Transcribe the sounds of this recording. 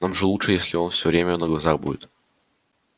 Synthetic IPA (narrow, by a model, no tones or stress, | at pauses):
namʐɨlˠutʂɨjesʲlʲɪo̞nfsʲɵvɾʲemʲənəɡlˠɐzaxbṵdʲɪt̪